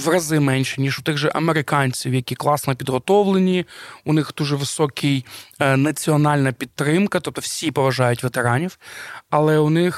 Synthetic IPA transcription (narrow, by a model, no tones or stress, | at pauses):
ʋrɐzɪmɛnʲʃinʲiʒʊt̪ɪɣʒɛʔɐmeɾɪkɑnʲt͡sʲiwjɐkʲiklˠɑsnɔpʲid̪ɦɔt̪ɔʋlˠenʲiʊnɪxd̪̥uʒɛʋɪsɔkʰɪjnɐt͡sʲiɔnɑlʲnɐpʲit̪ːɾɪmkɐt̪ɔp̚t̪ɔwsʲipɔʋɐʒɑjʊtʲʋet̪eɾɑnʲiwɐlˠɛʊnɪx